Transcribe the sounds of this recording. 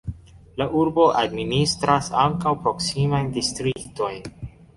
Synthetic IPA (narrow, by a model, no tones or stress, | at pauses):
laʔuɾbo̞ʔadministɾasaŋkawpɾo̞ksimajndistɾikto̞jn